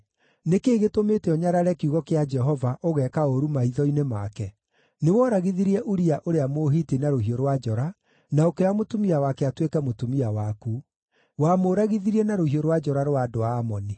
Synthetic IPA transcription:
nekeːɣetometeɔɲaɾaɾɛkiuɣɔkead͡ʒɛɦɔvaʔoɣɛkaoɾumaiðɔinemakɛ | newɔɾaɣiðiɾiɛʔuɾiaʔoɾeamoːɦiːtinaɾohioɾwad͡ʒɔɾa | naokeamotumiawakɛatwekɛmotumiawaku | waːmoːɾaɣiðiɾiɛnaɾohioɾwad͡ʒɔɾaɾwadoaːmɔni

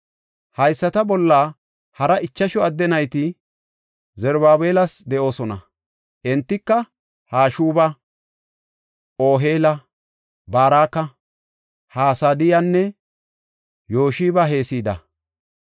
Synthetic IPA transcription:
hɐjsːɐt̪ɐbɔlːa | hɐɾɐʔɪt͡ʃːɐʃɔɐd̪ːɛnɐjt̪ɪ | zɛɾbaːbe̞ːlɐsd̪ɛʔo̞ːsɔnɐ̰ | ʔɛnt̪ːɪkːɐ | haːʃuːbɐ | o̞ːɦeːlɐ | baːɾaːkːɐ | haːsaːd̪ɪjanːɛ | jo̞ːʃiːbɐɦe̞ːsiːd̪ɐ̰

